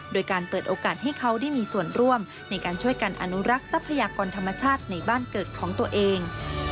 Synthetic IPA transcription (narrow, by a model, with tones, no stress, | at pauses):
doː˧jkaː˧npɤː˨˩t̪̚ʔoː˧kaː˨˩t̪̚ɦa˥˩jkʰa˦˥wdaː˥˩jmiː˧su˨˩ənɾu˥˩əm | na˧jkaː˧nt͡ɕʰu˥˩əjka˧nʔa̰˧˩nu˦˥ɾa˦˥k̚sa˦˥pʰːa˧jaː˧kɔː˧nt̪ʰa˧mːa˧t͡ɕʰaː˥˩t̪̚na˧jbaː˥˩nkɤː˨˩t̪̚kʰɔː˩˦ŋt̪u˧ɐʔeː˧ŋ